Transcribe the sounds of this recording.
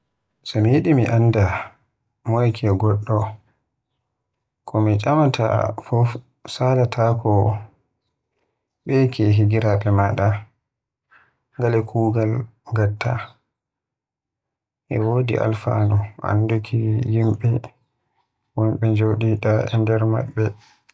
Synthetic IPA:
sɔmijiɗimiʔanːda | mɔjkʰɛɡɔɗːɔ | kʰɔmit͡ʃʼamatʰa̰fɔf | sadatʰakɔ | ɓɛkʰɛɦiɡiɾaɗɛmaɗa | ŋɡalɛkʰuːɡalɡatʰːa | ʔɛ̰wodḭʔa̰lfa̰nɔʔa̰ndukʰijimɓɛ | wɔmɓɛd͡ʒowɗiɗaʔɛ̰ndɛɾma̰ɓːɛ

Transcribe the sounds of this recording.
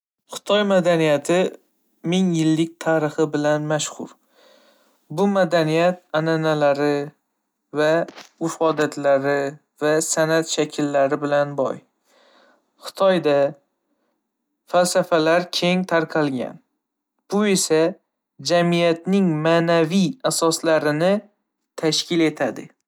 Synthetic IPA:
χɨ̥t̪ʰɒjmad̪anijat̪ʰɪ | mɪŋjɪlːɪk̚ʲt̪ʰaɾɨχɨbɪlanmaʃhʊ̰ɾ | bʊmad̪anijat̪ananalaɾɪ | vaʊʃɒd̪at̪ʰlaɾɪ | vasanat̪ʃakʲʰɪlːaɾɪbɪlanbɒ̰j | χɨ̥t̪ʰɒjd̪a | falsafalaɾkʲʰe̞ŋt̪ʰaɾqʰɑlˠɡʲa̰n | b̥ʊe̞sa | d͡ʒamijat̪nɪŋmanaviasɒslaɾɪnɪ | t̪ʰaʃkʲɪle̞t̪ʰad̪ɪ

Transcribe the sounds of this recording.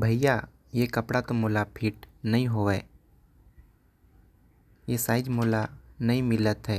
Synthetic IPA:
bʱɐja | jekɐpɽat̪omoːlapʰiːʈnɐɦĩɦoːʋɛː | jesaːɪd͡ʒmoːlanɐɦĩmɪlət̪ɦɛː

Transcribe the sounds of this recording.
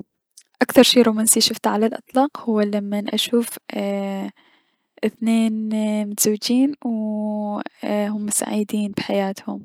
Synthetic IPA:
ʔakθɑɾˤʃiːɾuːmaːnsiːʃʊft̪ʕalalʔɨt̪ˤlɑːqhʊwːalamːanʔa̰ʃuːf | ʔɪθneːnmʊt̪z̥awːɪd͡ʒiːnw | hʊmːʊsa̰ʕid̪iːnbħajaːt̪hʊm

